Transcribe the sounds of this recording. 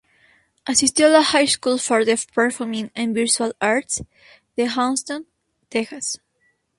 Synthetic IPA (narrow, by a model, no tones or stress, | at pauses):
ʔasist̪lahajskulfoɾðepɛɹfɔmĩŋãnbiɾt͡ʃualaɹt̪s | ð̥eɦãnst̪õn | t̪exas